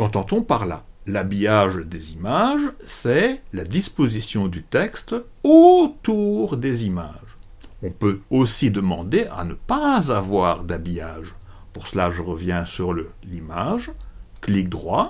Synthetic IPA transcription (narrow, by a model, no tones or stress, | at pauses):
kɑ̃t̪ɑ̃t̪ɔ̃paʁla̰labijaʒd̪ezimaʒsɛlad̪ispozisjɔ̃d̪yt̪ɛkst̪ | ot̪uʁd̪ezima̰ʒ | ɔ̃pøosid̪əmɑ̃d̪eʔa̰nəpazavwaʁd̪abijaːʒ | puʁsəlaʒəʁəvjɛ̃syʁlə | limaʒklik̚d̪ʁwa